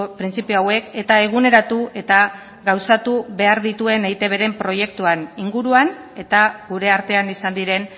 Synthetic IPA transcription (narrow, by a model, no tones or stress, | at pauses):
pɾint͡sipioawe̞ke̞t̪ae̞ɣ̞une̞ɾat̪ue̞t̪a | ɡawsat̪uβe̞aɾðit̪ue̞nejt̪e̞βe̞ɾe̞mpɾo̞je̞k̚t̪uaniŋɡuɾuan | e̞t̪aɡuɾe̞aɾt̪e̞anisand̪iɾe̞n